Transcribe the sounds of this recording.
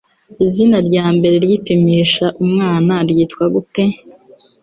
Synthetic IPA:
izinaɾɟaːmbe̞ɾeɾjipimiʃaʔumŋaːnaɾjiːtkwaɡute

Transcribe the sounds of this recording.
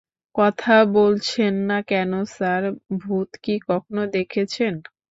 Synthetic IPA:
kɔt̪ʰabolt͡ɕʰenːakɛnosaɾbʱut̪kikɔkʰonod̪ekʰet͡ɕʰen

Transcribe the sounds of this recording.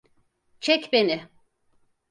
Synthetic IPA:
t͡ʃʰɛcbenɪ

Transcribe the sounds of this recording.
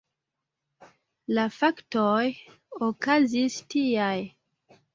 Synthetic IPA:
lafaktoj | okazistiaj

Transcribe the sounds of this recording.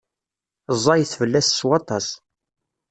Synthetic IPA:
zˤːɑjəθvəlːæsswɑt̪ˤɑs

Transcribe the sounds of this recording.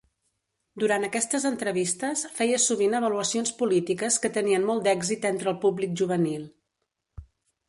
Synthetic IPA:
d̪uɾant̪əkɛst̪əzənt̪ɾəβist̪əsfɛjəsuβ̞inəβ̞əluəsionspulit̪ikəskət̪əniənmɔlˠd̪ɛɡzit̪ɛnt̪ɾəlˠpublik̚ʒuβ̞ənilˠ

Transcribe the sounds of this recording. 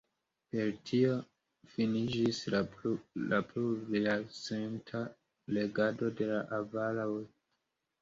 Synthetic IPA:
pe̞ɾtʰio̞ | finid͡ʒis | lapluɾilasentʰa | le̞ɡado̞de̞laʔavalaw

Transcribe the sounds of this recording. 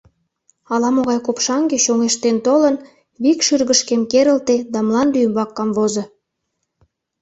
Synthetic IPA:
ɑlɑmoɣɑjkopʃɑŋɡeɕoŋeʃt̪ent̪olən | βikʃyrɣəʃkemkeɾə̆lt̪ed̪ɑmlˠɑnd̪yjəmbɑkːɑmβozə̆

